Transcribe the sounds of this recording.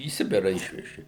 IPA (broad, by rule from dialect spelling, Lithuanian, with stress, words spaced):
iː ˈsʲɪbʲɪrɑː ˈɪʃʲʋʲɛʒʲɪ